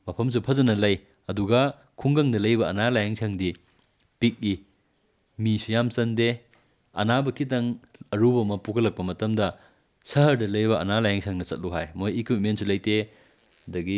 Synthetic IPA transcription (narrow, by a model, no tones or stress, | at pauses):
mɐpʰɐms̬upʰɐzɐnɐlɐj | ɐduɡɐ | kʰuŋɡɐŋdɐlɐjbɐɐnalajaŋsʰɐŋdi | pik̚ːi | misujamsɐnde | ɐ̰nabɐkʰitɐŋɐɾubɐmɐpukʰɐlɐk̚pɐmɐtɐmdɐ | sɐɦɐɾdɐlɐjbɐʔɐ̰nalajaŋsʰɐŋnɐsɐt̚luɦajmojekwit̚mentsulɐjte | dɐɡi